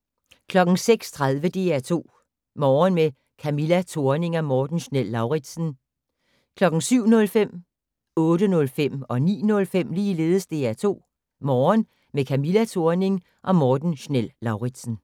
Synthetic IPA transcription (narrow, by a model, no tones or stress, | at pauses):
kʰlɒ̽ɡ̥ŋ̩seɡ̥st͡sʰʁaðˠʋəd̥e̝æɐt͡sʰo̝̰ː | mɒːnme | kʰæmilæt͡sʰo̝ɐne̝ŋɒ̽mɒːd̥n̩ɕnel̰ːɑ̈ʊʁid̥sn̩ | kʰlɒ̽ɡ̥ŋ̩syʊ̰nɔ̽lfem̰ | ɔ̽ːdənɔ̽lfem̰ɒ̽nḭːnɔ̽lfem̰liːle̝ːðˠəsd̥e̝æɐt͡sʰo̝̰ː | mɒːn | mekʰæmilæt͡sʰo̝ɐne̝ŋ | ʔɒ̽mɒːd̥n̩ɕnelːɑ̈ʊʁid̥sn̩